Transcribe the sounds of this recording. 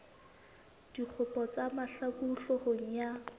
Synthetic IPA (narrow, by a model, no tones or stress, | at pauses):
d̥ik͡xʰʊpʼɔt͡samaɬakuɬɔhʊŋ̩ja